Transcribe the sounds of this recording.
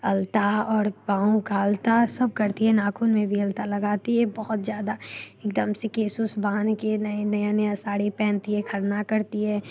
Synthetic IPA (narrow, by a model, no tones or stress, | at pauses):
ɐlt̪aɔːɾbãːõkaɐlt̪asɐb̚kɐɾt̪iɦɛnaːkʰunmẽbʱiɐlt̪alɐɡaːt̪iɦɛbɔɦɔt̪zjaːd̪aeːkd̪ɐmsekeːsʊsbaːnkenɐenɐjanɐjãsaːɽipɛ̃ːnt̪iɦɛkʰɐɾnakɐɾt̪iɦɛː